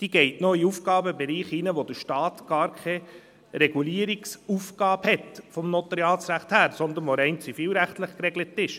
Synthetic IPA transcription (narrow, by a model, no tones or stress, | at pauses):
d̥̪iːɡ̥ɛɪtnɔiufɡɑːbəbeɾiːχinəʋod̪əɾʃtɑːt̪ɡ̥ɑːɾkʰɛ | ɾɛɡ̥uliːəɾiksufɡɑːphɛtfɔmnot̪əɾjɑːsɾæχthæːɾsɔnd̪ənʋoɾɛɪnt͡sifiːlɾæχtləχkrɛɡlətɪʃ